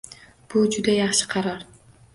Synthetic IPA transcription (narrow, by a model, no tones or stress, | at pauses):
b̥ud͡ʒʊd̪ajɑχʃɪ̥qʰɑɾɑɾ